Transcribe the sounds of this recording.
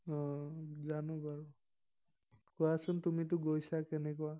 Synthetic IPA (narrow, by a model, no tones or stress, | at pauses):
ɔ̃zanɔ̃baɹʊ | kɔjasʊntumit̬ʊɡojsakɛnɛkɔa